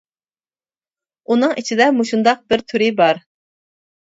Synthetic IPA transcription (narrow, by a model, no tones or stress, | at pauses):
unɨŋʔit͡ʃʰid̪ɛmuʃund̪ɑq̚bɪɾt̪ʰyɾɪbɑɾ